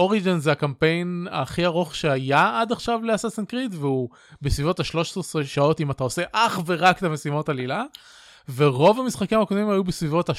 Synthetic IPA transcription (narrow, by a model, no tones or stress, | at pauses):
oʁid͡ʒinzeakampe̞jna̰χiaʁoχʃeajaadaχʃavleasasenkʁitveu | besvivo̞thaʃlo̞ʃesʁtsʁeʃao̞timatao̞se̞ʔaχve̞ʁaktamesimo̞talila | ve̞ʁo̞vamisχakimakovimhajubesvivo̞tha